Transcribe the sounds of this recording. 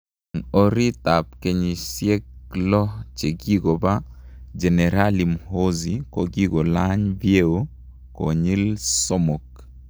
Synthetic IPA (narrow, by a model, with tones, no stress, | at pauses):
ŋo˦ɾi˦t̪a˨p̚ke˨ɲi˨sje˦klɔ˦t͡ʃe˨ɡi˦ɡo˨ba˦d͡ʒɛ˨nɛ˨ɾa˦li˨mho˦zi˨ko˨ɡi˦ɡo˨la˦ɲbje˦o˦ | ko̰˨ɲi˦lso˦mo˨k